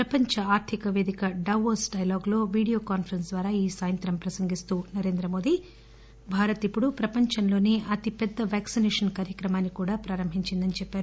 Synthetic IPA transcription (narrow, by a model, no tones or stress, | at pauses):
pɾɐpɐɲt͡ʃɐaːɾt̪ʰikɐʋeːd̪ikɐɖɐʋoːsɖɐjlaːɡlo̞ːʋiːɽijo̞ːkaːnpʰɐɾɐns̬d̪ʋaːɾaːiːsaːjɐnt̪ɾɐmpɾɐsɐŋɡist̪uːnɐɾe̞ːnd̪ɾɐmo̞ːd̪i | bʱaːɾɐt̪ipːuɽupɾɐpɐɲt͡ʃɐnlo̞ːneːʔɐt̪ipɛd̪ːɐʋaːksinɛːʂɐnkaːɾjɐkɾɐmaːnːikuːɽaːpɾaːɾɐmbʱiɲt͡ʃind̪ɐnit͡ʃɛpːaːɾu